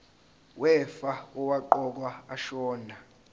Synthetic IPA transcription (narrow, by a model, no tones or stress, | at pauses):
wʔɛfaɔwaǃɔk̬waaʃɔːnʱa